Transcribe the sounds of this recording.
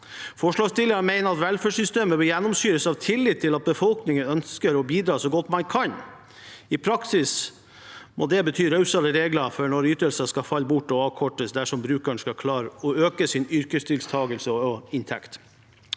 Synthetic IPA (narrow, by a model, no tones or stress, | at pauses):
fɔʂɭɑːɡst̪ɪləɾənmæɪnəɾɑt̪ʋɛlføːʂʏst̪eːməbəjɛnːɔmsyːɾəsɑʋt̪ʰɪlːɪt̪ʰːɪlɑt̪̚bəfɔlknɪŋənœnskəɾɔbiːd̪ɾɑːsɔɡɔt̪ːmɑnkʰɑn | ɪpʰɾɑksɪs | mʔod̪ɛbət̪ʰyːɾœʉsɑləɾeːɡlɑfɔɳɔɾyːt̪əlsəskɑfɑlːbʊʈːɔɑːʋkʰɔʈəsd̪æʂɔmbɾʉːkæɳskɑkʰlɑːɾəɔøːkəsɪnʏɾkəst̪ʰɪlst̪ʰɑːɡəlsəɔɔɪnt̪ʰɛ̰kt̪